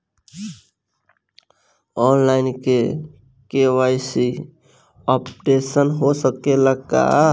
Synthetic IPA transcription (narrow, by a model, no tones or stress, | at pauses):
ɔːnlaɪnke | kewaɪsi | ɔpʈesənɦosəkeləɡ̚ka̰